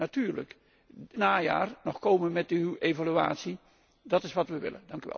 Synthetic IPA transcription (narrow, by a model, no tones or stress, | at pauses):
atyːɹlə̰k | naːja̰ːrnɔχkowmənmɛtyejvalya̰ːtsi | dɑtɪsʋɑtʋəʋɪ̰lə̰ndɑŋkyʋɛ̰lˠ